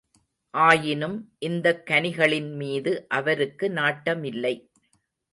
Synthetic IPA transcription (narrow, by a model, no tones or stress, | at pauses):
ʔaːjɪnɯmʔɪnd̪ɐkːɐnɪɣɐɭɪnmiːðɯʔɐʋɐɾɯkːɯnaːʈːɐmɪlːɐɪ